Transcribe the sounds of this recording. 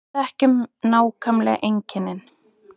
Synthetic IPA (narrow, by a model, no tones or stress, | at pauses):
ɛhcʏmnaːwkʰamlɛ̰ɣʔejɲcɪnːɪn